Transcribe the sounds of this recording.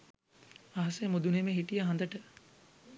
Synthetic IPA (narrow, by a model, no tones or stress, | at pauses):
ʋaɦɐsejmod̪unemeɦiʈijaɦand̪əʈə